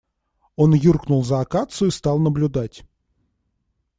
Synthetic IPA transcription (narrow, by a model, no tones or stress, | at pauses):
o̞njurknʊlˠzəɐkat̪sʊist̪ɑlˠnəblʲʊd̪atʲ